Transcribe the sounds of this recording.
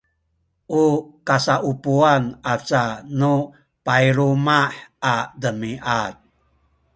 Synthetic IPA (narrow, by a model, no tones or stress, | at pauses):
ʔukasaʔupuanʔat͡sanu | paiɾumaħʔadəmiʔat̪̚